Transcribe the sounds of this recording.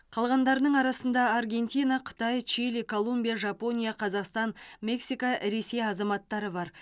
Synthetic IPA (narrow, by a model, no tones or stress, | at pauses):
qʰɑlˠʁɑnd̪ɑɾənəɴɑɾɑsənd̪ɑːrɡʲe̞nʲt̪ʲijnaqʰə̥t̪ɑjt͡ʃilikʰo̞lˠumbʲijaʒɑpo̞nʲijaqʰɑzɑqst̪ɑnmʲe̞ksijkaɾe̞se̞jɑzɑmɑt̪ːɑɾəbɑɾ